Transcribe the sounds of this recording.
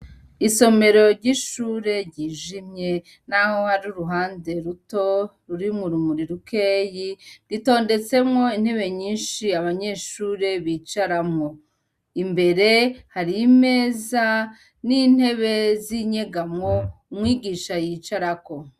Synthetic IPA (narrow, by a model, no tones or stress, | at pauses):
iso̞me̞ɾo̞ɾɟiʃuːɾe̞ɾɟiːʒimɲe̞ | nahohaɾuɾuɦaːnde̞ɾuto̞ɾuɾimuɾumuɾiɾukʰe̞ːjidito̞ːnde̞t͡se̞mŋo̞in̥he̞βe̞ɲiːnʃiaβaɲe̞ːʃuːɾe̞βiːt͡ʃaɾamŋo̞ | imbe̞ɾe̞haɾime̞ːza | niːn̥he̞βe̞ziɲe̞ɡamŋo̞umŋiːɡiːʃajiːt͡ʃaɾako